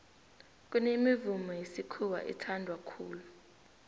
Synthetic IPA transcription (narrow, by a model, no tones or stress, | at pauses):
k̬ʼunemivumɔjesikʰuwa̰ʔḭtʰandʱwakʰuːlu